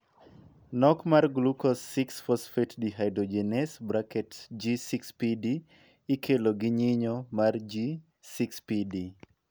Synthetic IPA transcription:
nɔkmarɡlukɔsːɪksfɔsfɛtdiɦajdod͡ʒenɛsbɾakɛtd͡ʒisikspidiː | kʰeloɡɪɲɪɲomard͡ʒi | sikspidi

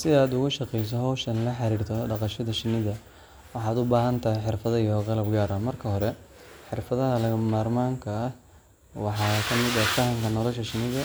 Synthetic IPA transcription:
sɪaːd̪ʊɣʊʃɑqɛjs̬ɔɦɔwʃɐnlɐħɑɾiːrt̪ʰɔɖɑqɑʃɐðɐʃɪnːɪðɐ | wɑħɑːd̪ʊbaːɦɐnt̪ʰɐhɪħɪrfɐðɐijɔqɑlɐbɡaːɾɐmɐrkʰɐɦɔɾɛ | ħɪrfɐðɐɦɐlɐɐmaːrmaːŋkʰɐɐh | wɑħɑːkʰɐmɪd̪ɐfɐhɐŋkʰɐnɔlɔʃɐʃɪnɪðɐ

